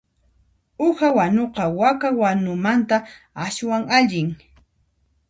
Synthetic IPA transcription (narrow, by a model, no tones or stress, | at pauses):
ʊhawanoqɑwakawanʊmant̪a | aswaŋaʎɪŋ